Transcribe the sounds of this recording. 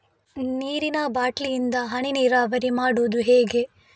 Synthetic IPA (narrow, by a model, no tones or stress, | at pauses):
niːɾinɐbaːʈlijind̪ɐɦɐɳiniːɾɐʋɐɾimaːɽuːd̪uɦeːɡe̞